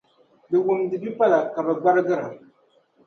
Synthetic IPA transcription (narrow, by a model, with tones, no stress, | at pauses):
bɨ˨wʊ˨mdɨ˨bi˦pa˦la˨ka˨bɛ˨ɡ͡ba˦ɾɨ˦ɡɨ˦ɾa˨